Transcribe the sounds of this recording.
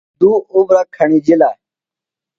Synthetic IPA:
d̪uːuɡɾaːkʰːəɳiːd͡ʑilaː

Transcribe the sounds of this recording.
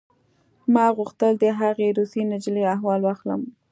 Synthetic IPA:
mɑɣuxt̪əld̪əɦaɣeɾusinad͡ʒleaɦwɑlwɑxlə̰m

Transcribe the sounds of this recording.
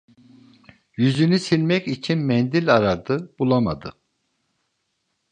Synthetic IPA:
jyzynysilʲmɛcit͡ʃʰinmɛnd̪ilʲaɾad̪ɯb̥ulˠamad̪ɯ

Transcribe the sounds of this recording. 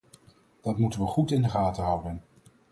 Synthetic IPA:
d̥ɑtmutənʋəχutɪndəχaːtəɦʌwdən

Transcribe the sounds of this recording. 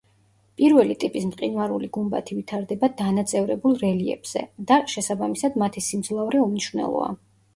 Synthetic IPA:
pʼiɾvɛlit̪ʼipʼismqʼinvaɾuliɡumba̰t̪ʰivit̪ʰaɾd̪ɛbad̪anat̪sʼɛvɾɛbulˠɾɛliɛ̰b̥z̥ɛ̰d̪aʃɛsabamisad̪mat̪ʰisimd̪zlˠavɾɛumniʃvnɛ̰lˠɔ̰a̰

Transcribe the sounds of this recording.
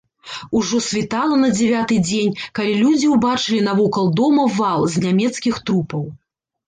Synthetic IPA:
uʐɔsʲvʲit̪alˠɐnɐd͡zʲɛvʲat̪ɨd͡zʲenʲkalʲilʲud͡zʲiwbat͡ʂɨlʲinɐvɔkɐlˠd̪ɔmɐvalˠzʲnʲamʲɛt̪skʲixt̪ɾupɐw

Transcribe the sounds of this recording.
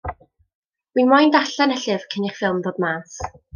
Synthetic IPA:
winmajndaɬɛnɛɬɨvkʰəniχfɪlˠmðoːdmaːs

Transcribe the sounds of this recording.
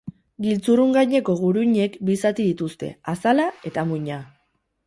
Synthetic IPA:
ɡilt͡suruŋɡajɲe̞ko̞ɣ̞uɾuɲe̞kbisat̪iðit̪ust̪e̞̰asalae̞t̪amuɲa

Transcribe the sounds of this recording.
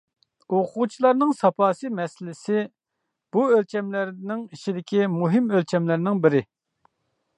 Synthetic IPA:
oqʰut͡ʃʰilˠɑɾnɨŋsɑpɑːsɨmɛsɪlɪsɪ | b̥uølt͡ʃʰɛmlɪɾnɪŋiʃʰid̪ɪkʲʰimuɦɪmølt͡ʃʰɛmlɪɾnɪŋbɪɾɪ

